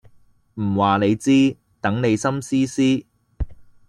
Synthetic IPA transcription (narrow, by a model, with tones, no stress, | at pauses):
m̩˨˩waː˨ne˨˧jt͡siː˥ | t̪ɐ˨˥ŋne˨˧jsɐ˥msiː˥siː˥